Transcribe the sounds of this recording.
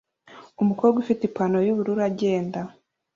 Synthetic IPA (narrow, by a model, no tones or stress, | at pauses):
umukoɾɡufitipanojuβuɾuɾaɟe̞ːnda